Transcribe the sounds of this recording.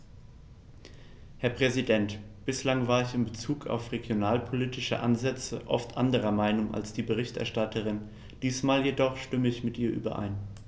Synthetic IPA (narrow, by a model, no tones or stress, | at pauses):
hɛɐpʁ̥ɛzidɛntb̥ɪslaŋvaːɐɪçɪmbət͡suːkʰa̰ʊfʁeɡjonaːlpʰoliːtɪʃə̰ʔa̰nzɛt͡səʔɔ̰ftʔa̰ndəʁ̞ɐmaɪnʊŋʔa̰lsd̥iːbəʁ̞ɪçtɛ̰ɐʃtatʰəʁ̞ɪn | d̥iːsmaːljedɔχʃtʏməɪçmɪtʔiːɐʔy̰ːbɐ̰ʔa̰ɪn